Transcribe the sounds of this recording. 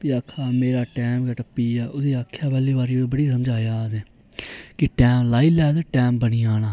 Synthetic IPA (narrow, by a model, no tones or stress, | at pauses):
pɪaːkʰaːmeːɾaːʈɛːmɡəʈəpːiːaːʔʊseːaːkʰjaːbɛːliːbaːɾiːbəɽiːsəmd͡ʒaːjaːzeː | kɪʈɛːmlaːiːlɛːd̪əʈɛːmbəniːaːɽ̃aː